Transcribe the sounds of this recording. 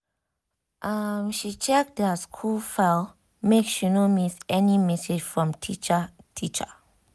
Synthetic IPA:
ʔamʃit͡ʃɛk̚dəskʰulfal | mekʃunomisɛnimɛsed͡ʒfɹɔ̃mtʰit͡ʃətʰit͡ʃə

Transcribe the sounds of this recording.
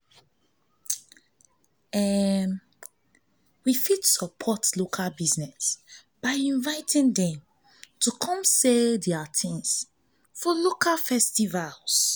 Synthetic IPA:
ɛm | wifitsəpʰɔtlokʰalbiznɛs | b̥aɪĩnvaɪtʰĩndɛ̃m | tʰukʰɔ̃mseldɛatʰĩŋs | fɔlokʰalfɛstivals

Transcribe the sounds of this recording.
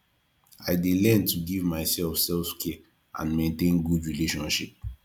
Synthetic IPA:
aɪdelɛ̃ntuɡivmaɪsɛlfsɛlfkʰɛ | ã̰nmẽntẽnɡudɹileʃɔ̃nʃḭp̚

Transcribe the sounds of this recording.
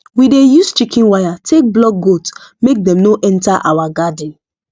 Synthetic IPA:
widejust͡ʃikʰĩnwajatʰek̚blɔk̚ɡotmek̚dɛ̃mnoʔɛ̃ntaʔa̰waɡad̃n

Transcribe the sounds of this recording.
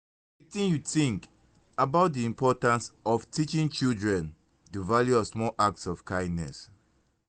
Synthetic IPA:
itĩnjutĩŋk | abaʊt̚diĩmpʰɔtãnsɔftit͡ʃĩŋt͡ʃildɹɛ̃n | tuvaljuɔsmɔlʔak̚tsɔfkãɪ̃ndnɛ̰s

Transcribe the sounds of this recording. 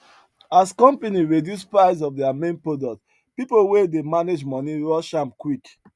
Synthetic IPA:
askɔ̃mpeniɹedjuspɹaɪs̬ɔfdɛamẽnpɹodɔk̚t | pipowedemaned͡ʒmɔ̃niɹɔʃãmkwik

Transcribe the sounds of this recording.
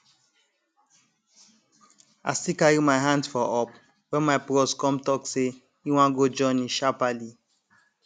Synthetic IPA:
a̰sikajimaɪɦãndfɔʔɔp | wɛmapɾɔskɔ̃mtɔkse | iw̃ãɡod͡ʒɔ̃nĩʃapali

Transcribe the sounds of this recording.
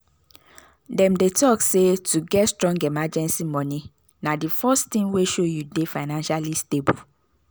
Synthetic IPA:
dɛ̃mdetɔksetuɡɛtstɹɔ̃ŋɡemad͡ʒɛ̃nsimɔ̃nĩ | nãdifɔstĩŋweʃojudefaɪnãnʃalistebu

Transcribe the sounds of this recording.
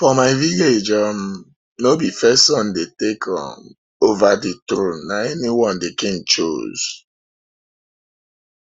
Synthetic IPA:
fɔmaɪviled͡ʒɔm | nobifɛstsɔ̃ndetekʰɔ̰̃m | ovaditɾũnnaɛniwɔ̃ndekĩŋt͡ʃo̰z̥

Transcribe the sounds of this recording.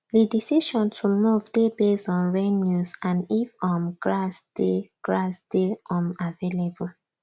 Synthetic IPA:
didisiʃɔ̃ntʰumuvdebesɔ̃nɹɛnjusãnifɔ̃mɡɹasd̥eɡ̥ɹasd̥eɔ̃mavelebu

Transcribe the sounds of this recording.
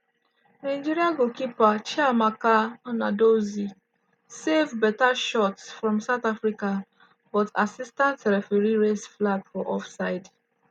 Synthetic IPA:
naɪd͡ʒiɾiaɡokipat͡ʃɛamakaɔnadozi | sevbɛtaʃɔtsfɹɔ̃msaʊtafɹika | bɔta̰sistãntːɛɾɛfɛɹiɹesflabfɔʔɔfsaɪd

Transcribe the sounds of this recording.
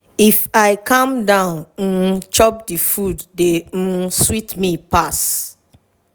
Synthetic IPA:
ifaɪkãmdãʊ̃n̩t͡ʃɔp̚difuddem̩switmipas

